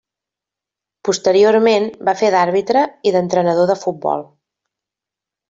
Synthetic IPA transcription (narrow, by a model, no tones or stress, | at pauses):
pust̪əɾioɾmenbafeðaɾβit̪ɾəiðənt̪ɾənəð̞oðəfut̪̚bɔ̰lˠ